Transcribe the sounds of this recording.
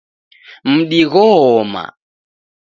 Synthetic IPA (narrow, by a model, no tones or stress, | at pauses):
m̩ɗiɣɔɔma̰